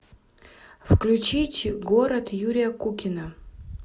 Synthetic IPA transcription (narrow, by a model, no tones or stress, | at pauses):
fklʲʊt͡ɕitʲɡoɾət̪juɾʲɪjəkukʲɪnə